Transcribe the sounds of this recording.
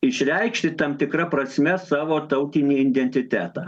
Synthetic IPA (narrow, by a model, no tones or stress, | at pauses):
ɪʃʲɾʲɛɪkʃʲt̪ʲɪt̪ɐmt̪ʲɪkɾɐpɾɐsʲmʲɛsɑːʋoːt̪ɐʊt̪ʲɪnʲiːɪnʲd̪ʲɛnʲt̪ʲɪt̪ʲæːt̪ɑː